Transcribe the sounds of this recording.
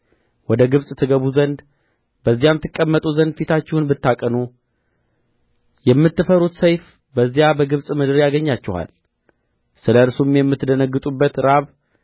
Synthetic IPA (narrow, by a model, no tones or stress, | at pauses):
wɔd̪əɡɨβsʼt̪ʰɨɡəβuzənd̪ | bəzːijamt̪ʰːɨkʼːəmːət̪ʼuzənd̪fit̪ʰat͡ʃːɪhunbɨt̪ːakʼənu | jɛmːɨt̪ːɨfəɾut̪səjf | bəzːijabəɡɨβsʼmɨd̪ɨɾjaɡəɲːat͡ʃːɪha̰l | sɨləɨɾsumjɛmːɨt̪ːd̪ənəɡːɨt̪ʼubːət̪ɾaβ